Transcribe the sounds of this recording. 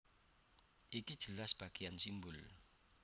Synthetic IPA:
ʔiki̥ʒ̥ə̤lasb̥aɡ̥ejansimbʊl

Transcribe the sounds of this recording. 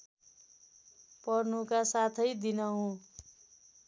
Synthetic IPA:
pʌɾnukasat̪ʰʌjd̪inʌɦũ

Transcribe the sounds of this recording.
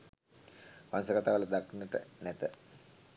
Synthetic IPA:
ʋansəɡat̪aːʋələd̪akːinːəʈə̰næt̪ə

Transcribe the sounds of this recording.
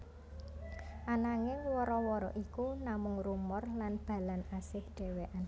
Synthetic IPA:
ʔanaŋɪŋwɔɾɔwɔɾɔ̰ʔikunamʊŋrumɔrlanb̥a̤lanasɪhɖ̥e̤wɛʔan

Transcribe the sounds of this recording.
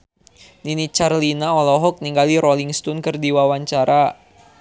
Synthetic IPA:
ninit͡ʃarlinaɔlɔɦɔk̚niŋɡaliɾɔliŋst̪ɔnkɨrdiwawaɲt͡ʃaɾa

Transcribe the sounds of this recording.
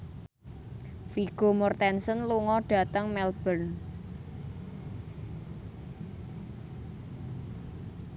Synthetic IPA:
fiɡ̥o̤mɔrt̪ɛnsənluŋɔɖ̥a̤t̪əŋmɛlb̥ən

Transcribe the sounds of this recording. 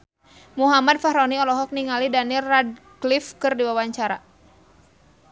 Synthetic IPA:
muɦamad̚fahɾɔniɔlɔɦɔk̚niŋalidanilːad̚ | klifkɨrdiwawaɲt͡ʃaɾa

